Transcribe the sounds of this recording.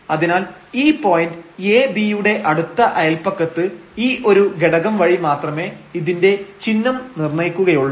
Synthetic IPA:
ɐðinaːl | iːpo̞ːjindɨeːbijuɽe̞ʔɐɽut̪ːɐʔɐjɐlpɐkːɐt̪ːɨiːʔo̞ɾuɡeɽɐɣɐmʋɐɻimaːt̪rɐme̞ːiðinde̞t͡ɕinːɐmnirnɐjkːuɣɐjuɭːɐ

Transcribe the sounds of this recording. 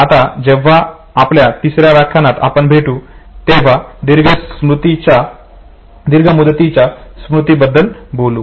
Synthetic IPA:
at̪ad͡ʑɛʋ̤aː | pljat̪isɾjaʋjakʰːanat̪a̰pəɳbʱeʈuːt̪eʋ̤ad̪iɾɡəmɾut̪it͡ɕa | d̪iɾɡʱəmud̪t̪it͡ɕjasmɾut̪ibəd̪ːəlbolu

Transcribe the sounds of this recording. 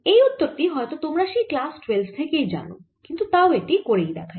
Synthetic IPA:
ejut̪ːoɾʈiɦɔet̪ot̪omɾaʃiklasʈwelst̪ʰekejd͡ʑa̰no̰ | kint̪ut̪aoeʈikoɾejd̪ɛ̰kʰa

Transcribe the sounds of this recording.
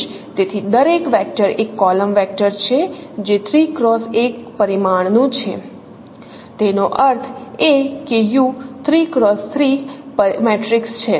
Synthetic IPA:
ʃ | t̪et̪ʰid̪əɾekʋɛk̚ʈəɾekːɔləmʋɛk̚ʈəɾt͡ʃʰed͡ʒet̪ʰɾikɾɔsekpəɾimaɳnũt͡ʃʰe | t̪enoʔəɾt̪ʰekejũt̪ʰɾikɾɔst̪ʰɾipəmɛʈɾikst͡ʃʰe

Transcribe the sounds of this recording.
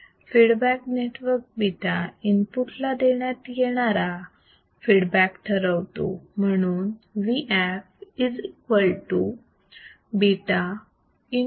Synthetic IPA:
fiɽbækneʈʋəɾk̚biʈainpuʈlad̪eɳjat̪jeɽ̃aɾa | fiɽbækʈ̪ʰəɾəʋt̪o̰m̤əɽ̃uːnʋiʔæfid͡zikʋəlʈu | biʈa | i

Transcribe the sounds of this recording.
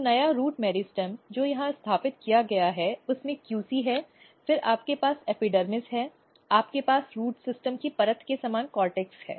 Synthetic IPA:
nɐjaɾuːʈmɛːɾisʈəmd͡ʒoːjɐɦãɪst̪ʰaːpɪt̪̚kijaɡɐjaɦɛʊsmẽkjuːsiɦɛː | fɪɾa̰ːp̚kepaːsɛːpiɖəɾmɪsɦɛː | aːpkepaːsɾuːʈsɪsʈəmkipɐɾət̪ʰkesaːmaːnkɔːɾʈɛːkshɛ̰ː

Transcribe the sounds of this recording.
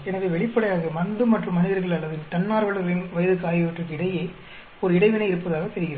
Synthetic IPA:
ɛnɐʋeːʋɛɭɪpːɐɽɐjaːɣɐmɐnd̪ɯmːɐʈrɯmːɐnɪðɐɾɣɐɭɐɭːɐðɪnt̪ɐnːaːɾʋɐɭɐɣɐɭɪnʋɐjɐðɯkaːjɪʋɐʈrɯkːɪɽɐjeː | ɔɾɯɪɽɐɪʋɪnɐɪɪɾɯpːɐðaːɣɐt̪ɛɾɯɣɪɾɐð

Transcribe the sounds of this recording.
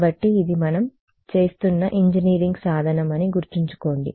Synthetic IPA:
bɐʈːiːd̪imɐnɐm | t͡ʃe̞ːst̪unːɐʔiɲd͡ʒiniːɾiŋɡsaːd̪ʱɐnɐmɐniɡuɾt̪iɲt͡ʃu̥ko̞ːɳɖi

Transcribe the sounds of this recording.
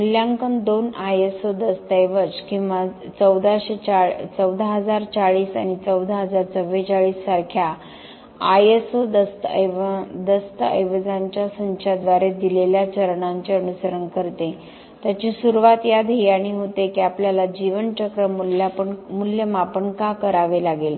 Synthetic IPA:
muljãŋkənd̪onajesod̪əst̪əjʋət͡skĩwʋat͡səwd̪ʱaɕet͡ɕat͡səwd̪ʱaɦəd͡zaɾt͡saɭiːsa̰ɽ̃it͡səwd̪ʱaɦəd͡zaɾt͡səʋːet͡saɭiːsːaɾkʰja | ajesod̪əst̪əd̪əst̪əə̰jʋəd͡zãɲt͡ɕjasəɲt͡ɕʰad̪ʋaɾed̪ileljat͡ɕəɾɳãɲt͡ɕeənusəɾəɳkəɾt̪e | t̪jat͡ɕisuɾuʋat̪jad̪ɦiaɽ̃iɦot̪ekiapljalad͡ʑiʋəɳt͡ɕəkɾəmulpəɳmuljəmapəɳkakəɾaʋelaɡel

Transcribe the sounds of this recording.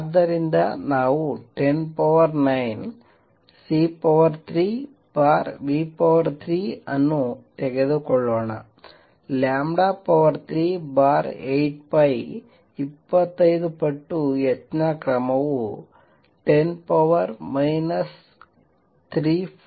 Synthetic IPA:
d̪ɐɾind̪ɐ̰naːʋuʈenpɐʋɐrnɐjn | sipoʋɐrt̪ʰɾi | baːrʋiːpoʋɐrt̪ʰɾiɐnːut̪eɣɐðukoɭːoːɳɐ̰ | laːmɖapɐʋɐrt̪ʰɾiːbaːɾejʈ̚pɐj | ipːɐt̪ːɐjðupeʈːuet̪nɐkrɐmɐʋu | ʈenpɐʋɐrmɐjnɐs | t̪ʰɾi

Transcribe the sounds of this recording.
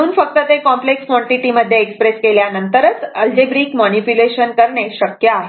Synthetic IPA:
unfək̚t̪ət̪ekɔ̃mplekskʋɔ̃ɳʈiʈiməd̪ʱjeːkspɾeskeljanənt̪əɾət͡səld͡ʒebɾikmɔnipjuleʃənkəɾɳeʃəkja

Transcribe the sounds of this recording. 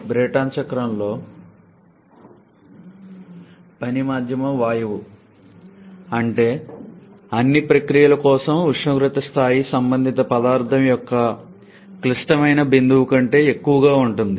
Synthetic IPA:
bɾeːʈaːnt͡ʃɐkɾɐmlo̞ː | pɐnimaːd̪ʱjɐmɐmʋaːjɐʋu | ɐɳʈe̞ː | ɐnːipɾɐkɾijɐlɐkɔːsɐmuʂɐɡɾut̪ɐst̪ʰaːjisɐmbɐnd̪ʱit̪ɐpɐd̪aːɾt̪ʰɐmjɔkːɐ | klisʈɐmɐjnɐbind̪uʋukɐɳʈe̞ːekːuʋɐɡaːuɳʈund̪i

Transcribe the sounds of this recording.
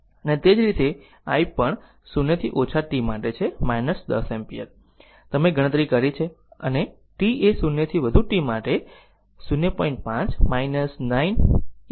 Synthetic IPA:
ənet̪ed͡ʒɾit̪e | a̰ipəɳ | sunːet̪ʰiʔot͡ʃʰaʈimaʈet͡ʃʰemajnəsd̪ə̰sɛmpijə̰t̪ | t̪əmeɡʱəɽ̃ət̪ɾikəɾit͡ʃʰe | ə̰ne | ʈiesunjet̪ʰiʋəd̪ʱuʈimaʈe | sunjepɔ̃iɳʈ̚pãt͡ʃmajnəsnain

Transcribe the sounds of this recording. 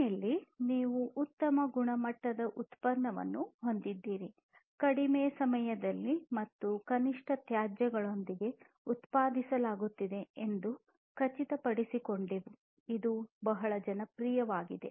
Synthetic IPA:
ɐlːiniːʋuʔut̪ːɐmɐɡuɳɐmɐʈːɐd̪ɐʔut̪pɐɾːɐʋɐ̰nːuho̞nd̪id̪ːiːɾi | kɐɽimeːsɐmɐjɐd̪ɐlːimɐt̪ːukɐniʂʈʰɐt̪jaːd͡ʒjɐɡɐɭo̞nd̪iɡe̞ | ut̪paːd̪isɐlaːɡut̪ːid̪e̞end̪u | kɐt͡ʃit̪ɐpɐɽisiko̞ɳɖeʋu | id̪ubɐɦɐɭɐd͡ʒɐnɐpɾiːjɐʋaːɡid̪e̞̰

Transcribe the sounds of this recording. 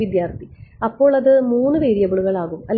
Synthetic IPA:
id̪jaːrt̪ʰiɐpːo̞ːɭɐðɨmuːnːɨʋeːɾijɐbɐɭuɣɐɭaːɣumɐlː

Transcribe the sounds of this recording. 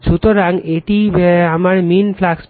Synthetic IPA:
d͡ʒut̪oɾaŋeʈiamaɾminflaks

